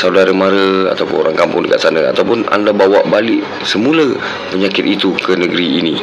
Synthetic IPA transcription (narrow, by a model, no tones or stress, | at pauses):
sawdaɾəmaɾəa̰t̪awpʊ̰noɾaŋkampʊŋdəkaʔ̪̚sanəa̰t̪awpʊna̰ndabawaʔbalɪʔ | səmũlə | pəɲakɪt̪it̪ukənəɡəɾiːni